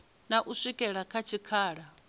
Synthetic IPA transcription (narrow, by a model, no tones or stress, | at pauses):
naʔusʷikʼɛɺakʰat͡ʃʰikʰaːɺa